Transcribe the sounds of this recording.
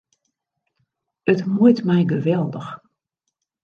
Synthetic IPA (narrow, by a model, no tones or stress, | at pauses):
ətmujtmɛjɡəʋɛlˠdəx